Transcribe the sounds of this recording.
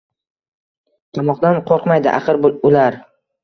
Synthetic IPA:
t̪ʰɑmɒqd̪anqʰoɾqmajd̪ɪ̰ʔa̰qɨɾbʊlaɾ

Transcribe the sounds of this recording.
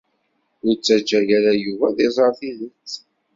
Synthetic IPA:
ʊɾt͡sːæd͡ʒːæjæɾæjuvæðezˤəɾθinət͡sː

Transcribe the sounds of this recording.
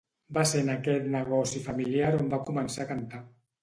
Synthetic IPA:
basenakɛt̪nəɣɔsifamiliaɾombakumənsakant̪a

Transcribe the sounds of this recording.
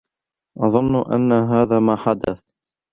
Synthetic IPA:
ʔɑðˤɨnːʔa̰nːaɦaːðaːmaːħad̪aθ

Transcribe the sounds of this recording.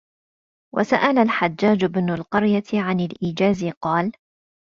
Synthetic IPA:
wʔa̰saʔalalħad͡ʒːaːd͡ʒʊbnʊlqɑɾjat̪ʕanalʔiːd͡ʒaːzɪqɑːl

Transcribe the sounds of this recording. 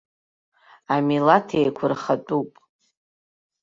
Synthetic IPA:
amilatʰejkʷʰʊrχatʼupʼ

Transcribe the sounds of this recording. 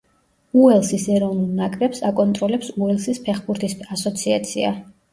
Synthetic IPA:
uɛlˠsisɛɾɔvnulˠnakʼɾɛpsakʼɔnt̪ʼɾɔlɛpsuɛlˠsispʰɛχbuɾt̪ʰisasɔt̪sʰiat̪sʰia̰

